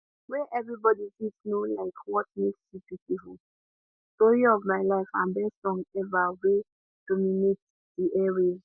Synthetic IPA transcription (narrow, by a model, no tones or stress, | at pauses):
wɛʔɛvɹibɔdisisnolaɪkʰwɔtmeksipitiful | tɔɹiɔvmaɪlaɪfãnbɛstɔ̃ŋɛvawe | d̥ɔminet̚ | diʔɛɹiz